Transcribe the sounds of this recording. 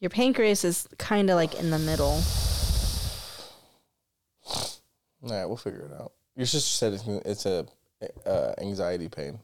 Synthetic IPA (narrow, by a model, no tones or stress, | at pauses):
jə˞pʰẽɪ̃nkʰɹeɪsɨz̥kʰãɪ̃ndəlaɪkɪ̰̃nðɨmɪɾl̩ˠ | nawilˠfɪɡjə̰˞ɨɾa̰ʊt̚ | jə˞d͡ʒʌssɛɾɨʔɪtsɨ | ʌ̰æ̰̃ŋzaɪɨɾipʰḛ̃ɪ̃n